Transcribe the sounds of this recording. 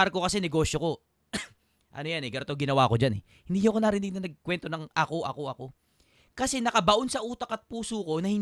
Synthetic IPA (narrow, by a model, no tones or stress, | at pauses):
aɾkokɐsɛnɛɡo̞ːʃjoko̞ | ʔɐ̰nojanɛɡɐɾt̪oɡɪnɐwaːko̞d͡ʒanɛ̰ | hɪnd̪iːɲʊɐkonaɾɪnɪɡ̚nɐnɐɡ̚kwɛnt̪o̞nɐŋʔɐko̞ʔɐko̞ʔɐko̞ | kɐsɛnɐkɐbɐʔo̞nsɐʔuːt̪ɐkɐt̪̚puːsuːko̞nɐhɪn